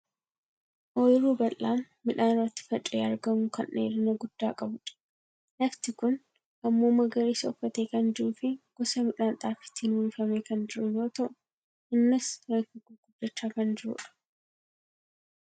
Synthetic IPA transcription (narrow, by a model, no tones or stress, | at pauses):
ʔojɾuːbɐlːaːnːɪᶑaːnɪrːɐt̪ːɪ̥fɐt͡ʃʼeːɐɾɡɐmʊkɐnʔḛːɾɪnɐɡʊd̪̥ːaːkʼɐbʊᶑɐ̥ | lɐft̪ɪkʊn | ʔɐmːoːmɐɡɐɾiːsɐɔfːɐt̪eːkɐnd͡ʒɪɾuːfɪɡ̥ɔsɐmɪᶑaːnt̪ʼaːfɪ̥t̪ːɪnulfɐmeːkɐnd͡ʒɪɾʊjoːt̪ɐʔʊ | ʔɪnːɪsɾɐŋkɪɡuːɡʊd̪ːɐt͡ʃːaːkɐnd͡ʒɪɾṵːᶑɐ̥